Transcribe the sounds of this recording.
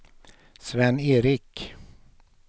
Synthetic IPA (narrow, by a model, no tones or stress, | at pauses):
svɛnːeːɾɪk